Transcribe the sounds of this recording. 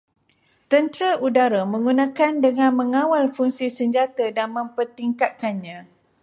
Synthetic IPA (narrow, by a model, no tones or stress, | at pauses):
t̪ənt̪ɾaʔudaɾamə̃ŋɡunãkandəŋãnmə̃ŋãwalfuŋsisəɲd͡ʒat̪adanmə̃mpərt̪iŋkat̪̚kanɲã